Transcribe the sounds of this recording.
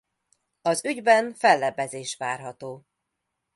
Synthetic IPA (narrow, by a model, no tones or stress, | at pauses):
ɒzyɟbɛnfɛlːɛbɛzeːʃʋaːrɦɒt̪oː